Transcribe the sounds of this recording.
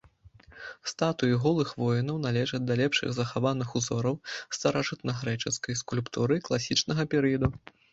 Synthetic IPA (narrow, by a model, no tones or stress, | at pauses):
st̪at̪ujiɣɔlˠɨxvɔjinɐwn̪alʲɛʐɐd̪ɐlʲɛpʂɨ̰ɣzɐxavanɨxuzɔɾɐwst̪ɐɾaʐɨt̪nɐɣɾɛt͡ʂɛskɐjskulʲpt̪uɾɨklˠasʲit͡ʂnɐɣɐpʲɛɾɨjɐd̪u